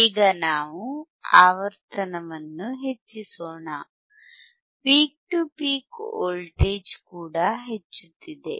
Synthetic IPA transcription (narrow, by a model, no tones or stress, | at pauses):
iːɡɐnaːʋu | a̰ːʋɐɾt̪ʰɐnɐʋɐnːuɦe̞t͡ʃːisoːɳa | piːk̚ʈupiːkoːlʈeːd͡ʒkuːɽɐɦet͡ʃːut̪ːid̪e̞̰